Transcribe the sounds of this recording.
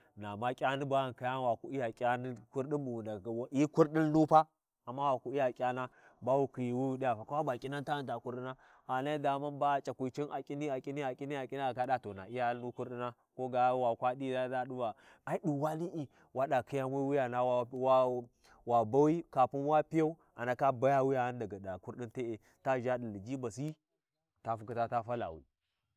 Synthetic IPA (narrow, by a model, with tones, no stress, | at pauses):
na˨ma˦kʲʼa˦ni˦ba˦a˨n˨ka˨ja˦nwa˨ku˦i˦ja˨kʼa˦ni˦ku˦ɾɗi˦bu˨wu˨nda˨wi˦ku˦ɾɗi˦n˦nu˦pa˦ | a˨mːa˦wa˨ku˦i˦ja˨kʲʼa˦na˦ba˦wu˦ki˨ji˨wu˦ɗi˦ja˨pa˨ka˦a˦ba˨kʼi˦na˦nta˦˨nda˨ku˦ɾɗi˦na˦ | a˨na˦i˦da˨ma˦nba˦t͡ʃʼa˨kʷu˨t͡ʃi˦na˨kʲʼi˦ni˦a˨kʲʼi˦ni˦a˨kʼi˦ni˦a˨kʼi˦ni˦a˨ɡa˦da˦to˨na̰˨i˦ja˦nu˦ku˦ɾi˦na˦ | ko˦ɡa˦wa˨kʷa˦ɗi˦˨da˦da˦ɗu˦ba˨ | a˦i˦ɗu˨wa˦ni˦ʔi˨ | wa˦ɗa˨kʰi˦ja˦mu˦wi˦ja˨na˦wa˦wa˦ | wa˨ba˦wi˦ka˨pu˦n˦wa˦pi˦ja˦u˦ | a˨na˨ka˦ba˦ja˦wi˦ja˨ha˦nda˨ɡa˨da˨ku˦ɾɗi˦nte˦e˨ | ta˦ʒa˦di˨li˨d͡ʒi˦ba˨si˦ | ta˦fu˨˦ki˦ta˦ta˦fa˦la̰˨wḭ˨